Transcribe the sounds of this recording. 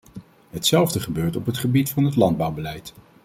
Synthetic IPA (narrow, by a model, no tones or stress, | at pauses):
ɦətsɛlˠvdəχəbøːɹtɔpɦətχəbitfɑnɦətlɑnd̚bʌwbəlɛjt